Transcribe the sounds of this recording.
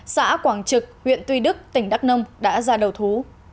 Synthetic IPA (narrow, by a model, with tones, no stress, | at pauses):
sa̰ː˧˥kwaː˧˩ŋt͡ɕɨ˨˩k̚hwḭ˧˨ənt̪wi˧ɗɨ˦˥k̚t̪ï˧˩ŋ̟ɗa˦˥k̚nə˧wŋ͡mɗa̰ː˧˥zaː˧ɗə˨˩wt̪ʰu˨˦